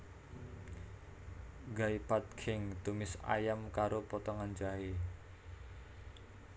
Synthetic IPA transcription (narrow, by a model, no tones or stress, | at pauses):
ɡaipat̪̚kʰɪŋt̪umɪsa̰jamkaɾopɔt̪ɔŋand͡ʒaɦe